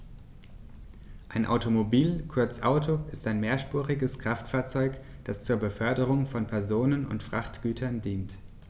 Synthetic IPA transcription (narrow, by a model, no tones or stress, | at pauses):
ʔaɪnʔa̰ʊtomobiːlkʰʊɐt͡sʔa̰ʊtʰoɪstaɪnmeːɐʃpuːʁɪɡəskʁ̥aftfaːɐt͡sɔʏkd̥ast͡suːɐbəfœɐdəʁ̞ʊŋfɔnpʰɛɐzoːnənʊ̰ntfʁ̥aχtɡ̥yːtʰɐndiːnt